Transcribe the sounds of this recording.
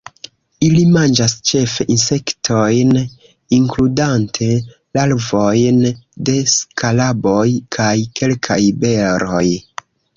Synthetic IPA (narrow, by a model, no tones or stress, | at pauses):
ilimand͡ʒast͡ʃe̞fe̞ʔinse̞ktʰo̞jn | iŋkludantʰe̞ | lalvo̞jnde̞skalabo̞jkʰajke̞lkʰajbe̞ɾo̞j